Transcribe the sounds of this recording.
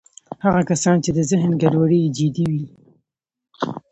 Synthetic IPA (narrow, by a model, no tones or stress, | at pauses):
haɣakasɑnt͡ʃed̪əzɪɦnɡaɖwaɽəd͡ʒɪd̪iwi